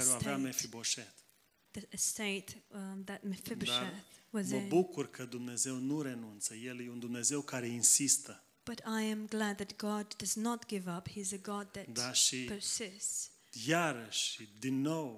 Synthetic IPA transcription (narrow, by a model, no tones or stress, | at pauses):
əɾoaeamefiboʃet̪ | ðəɨsteɪt̪ðɨt̚mefibd̪ʃetwʌzməbukurkʰəd̪umne̞ze̞wnuɾe̞nunt̪səje̞ljeund̪umne̞ze̞wkaɾe̞insist̪ə | b̥ʌɾaɪɨ̃mɡlæd̪̚ðɨt̚ɡ̥ɑdʌznət̚ɡ̥ɪvʌphiɨzɨɡɑd̪̚ðɨtd̪aʃiosɛs | jaɾəʃd̪inːow